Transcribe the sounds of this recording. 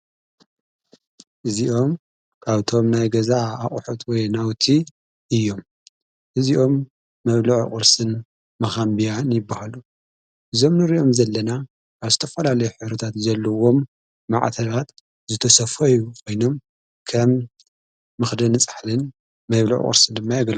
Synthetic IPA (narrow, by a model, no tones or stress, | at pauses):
ʔɨziʔo̞m | kʰaβt̪ʰo̞mnajɡɐzaːχʼħut̪wɔjnawt̪ʰi | ʔɨjːo̞m | ʔɨziʔo̞mː | ɐβlɨʕ̰kʼɨɾsɨn | mɐxambijanjɪbːahalu | ʔɨzo̞mnɨɾiʔo̞mzɐlːɐna | kaβzɨt̪ʰɐfɐlalɐjuħɨβɾɐt̪ʰat̪zɐlːɐwo̞mː | a̰ʕt̪ʰɐlat̪ | zɨt̪ʰɐsɐfɐjukʰo̞jno̞m | kʰɐmː | ɨxd̪ɐnɨt͡sʼḁħlɨn | mɐβlṵʕ̰χʼɨ̰ɾsɨnd̪ɨmːajaɡɐlu